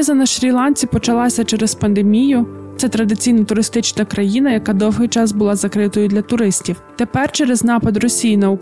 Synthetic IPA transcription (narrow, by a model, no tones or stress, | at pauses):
zɐnɐʃɾʲilˠɑnʲt͡sʲipɔt͡ʃɐlˠɑsʲɐt͡ʃɛɾespɐnd̪emʲijʊt̪sɛt̪ɾɐd̪ɪt͡sʲijnɐt̪ʊɾɪst̪ɪt͡ʃnɐkɾɐjinɐjɐkɑd̪ɔwɦɪjt͡ʃɑzbʊlˠɑzɐkɾɪt̪ɔjʊd̪lʲɐt̪ʊɾɪsʲtʲiwt̪e̞pɛrt͡ʃɛɾeznɑpɐd̪rɔsʲijinɐuk